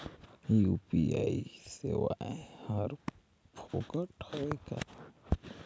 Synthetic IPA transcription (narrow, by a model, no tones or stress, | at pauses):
jupiaisewaẽhəɾ | pʰokəʈʰoeka̰